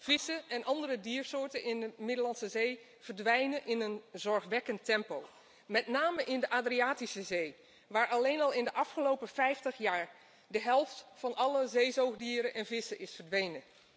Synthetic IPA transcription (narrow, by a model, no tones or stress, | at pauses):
v̥ɪsəʔɛnʔɑndərədiːəɹsʊːɹtənɪndəmɪdəlɑnsəzej | v̥əɹdʋɛjnənʔɪnənzɔɹχʋɛkəntɛmpow | mɛtnaːməʔɪndəʔaːdriaːtisəzej | ʋaːɹʔɑlejnɑlˠɪndəʔɑfχəlowpəfɛjftəχjaːɹ | dəɦɛlˠftfɑnɑləzejzowχdiːɾənʔɛnvɪsəʔɪsfəɹdʋejnə